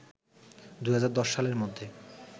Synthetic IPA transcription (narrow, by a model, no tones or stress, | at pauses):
d̪ujɦad͡ʑaɾd̪ɔʃʃaleɾmod̪ʱːe